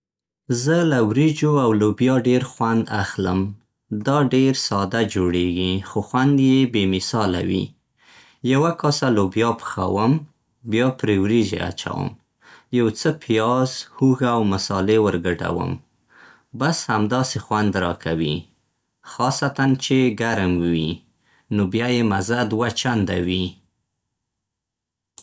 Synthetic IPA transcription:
zəlawɾid͡ʒoawlobjɑɖeɾxwand̪axləm | d̪ɑɖeɾsɑd̪ad͡ʒoɽeɡixoxwand̪jebemɪsɑla̰wḭ | jawakɑsalobjɑpə̥xa̰wəm | bjɑpɾewɾiʒḛa̰t͡ʃa̰wə̰m | jawt͡səpʰijɑzhuɣaːwmasɑlewəɾɡəʈa̰wə̰m | bashamd̪ɑsexwand̪ɾɑkʰawḭ | xɑsat̪ant͡ʃeɡaɾmwi | nobjajemazad̪wat͡ʃand̪awi

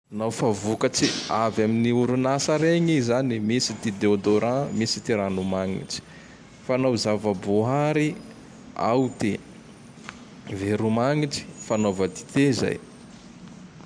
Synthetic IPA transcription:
anawfavukət͡siavaminiuɾunasəɾeɲizanimisit̪id̪eod̪oɾãmisi̥t̪iɾanumaŋḭʈ͡ʂi̥ | fanawzavəboɦaɾi | a̰wt̪e | veɾumaŋiʈ͡ʂi̥fanovəd̪i̥t̪eza̰j

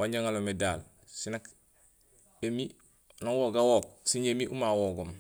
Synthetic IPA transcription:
waɲɟoŋalomedaːl | sinak | emi | naŋwoɡawok̚siɲemiʔumawoɡom

